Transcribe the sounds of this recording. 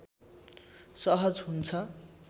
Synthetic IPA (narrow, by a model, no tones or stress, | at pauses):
sʌɦʌd͡zɦunt͡sʰʌ